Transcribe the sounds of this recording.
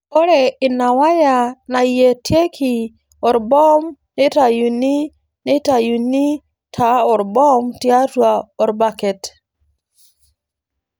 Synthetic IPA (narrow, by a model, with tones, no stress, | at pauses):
ɔ˦ɾɛ˨ɪ˨na˨wa˦ja˨na˨je˨tʰje˦kʰɪ˨ | ɔ˨ɾbɔ˦mnɪ˦ta˨ju˨ni˦ | nɪ˦ta˨ju˨ni˦ | tʰa˨ɔ˨ɾbɔ˦mtɪ˦a˦twa˨ɔ˨ɾba˦˨kɛ˨t